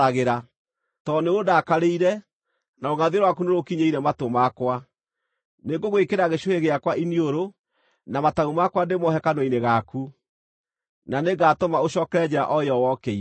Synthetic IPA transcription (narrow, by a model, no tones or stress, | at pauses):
aɣeɾa | tɔneodaːkaɾeiɾɛ | naoɣaðeɾwakunoɾokiɲeiɾɛmatomakwa | neɡoɣwekeɾaɣeɕoheɣeakwainioɾo | namataumakwandemɔɦɛkanwineɣaku | naneɡaːtomaoɕɔkɛɾɛd͡ʑɛɾa̰ʔɔjɔwɔkɛi